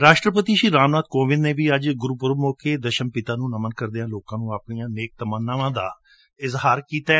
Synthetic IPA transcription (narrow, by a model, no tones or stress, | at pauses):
ɾaːʃʈɾəpət̪iːʃiːɾaːmnaːd̪̚koːʋɪd̪nẽːʋiːəd͡ʒɡʊɾuːpʊɾəmoːkeːd̪əʃəmpɪt̪aːnũːnəmənkəɾd̪ɪjãːloːkãːnũːaːpnijãːneːk̚t̪əmənːaʋãːd̪a̰ː | ɪzhaːɾkiːt̪aː